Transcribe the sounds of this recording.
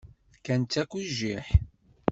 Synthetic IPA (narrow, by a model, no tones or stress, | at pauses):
kænt̪ːækʷːiʒiħ